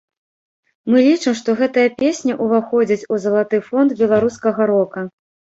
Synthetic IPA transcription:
mɨlʲit͡ʂɨmʂt̪ɔɣɛt̪ɐjɐpʲesʲnʲɐʔuvaxɔd͡zʲit͡sʲuzɐlˠat̪ɨfɔnd̪bʲɛlˠaɾuskɐɣɐɾɔkɐ

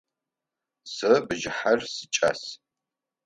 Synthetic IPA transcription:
sɨbɨʒɪħarsɨt͡ʃʼɐ̰s

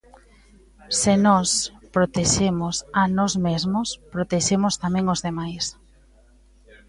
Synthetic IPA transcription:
sɪnɔspɾot̪eʃemʊsanɔzmezmʊspɾot̪eʃemʊst̪amɛ̃ŋozðemajs

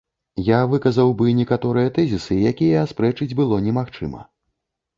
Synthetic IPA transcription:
javɨkɐzɐwbɨnʲɛkat̪ɔɾɨjɐt̪ɛzʲisɨjakʲijɛːspɾɛt͡ʂɨd͡zʲbɨlˠɔnʲɛmaxt͡ʂɨ̰mɐ̰

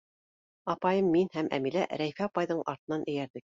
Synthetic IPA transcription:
ɑpɑjɤmːinhæmʔæ̰milæʔɾæjfæɑpɑjðɤɴʔɑ̰ɾt̪ɤ̆nɑnʔɘ̆jæɾðɘ

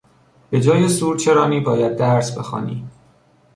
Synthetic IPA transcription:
b̥e̞d͡ʒɒːje̞suːɾt͡ʃʰe̞ɾɒːniːbɒːjæd̪̚ːæɾsbe̞xɒ̰ːnḭː

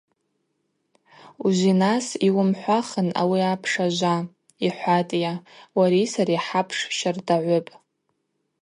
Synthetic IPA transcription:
uʒʷinasiwʊmħʷaχəna̰wiapʰʂaʒʷa | iħʷatʼjawaɾisaɾiħapʰʂʃardaʕʷʊpʼ

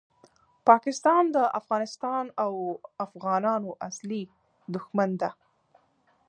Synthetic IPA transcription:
pɑkɪst̪ɑnd̪əʔafɣɑnɪst̪ɑnawafɣɑnɑnoʔasli | d̪ʊxmand̪a

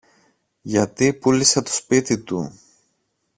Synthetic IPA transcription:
ʝɐt̪ipuliset̪o̞̥spit̪it̪u

